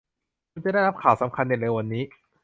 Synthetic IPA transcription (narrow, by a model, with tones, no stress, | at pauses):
u˧nt͡ɕa˨˩da˥˩ɾa˦˥p̚kʰaː˨˩˦wsa˩˦mkʰa˧nːi˨˩leː˧wa˧nːiː˦˥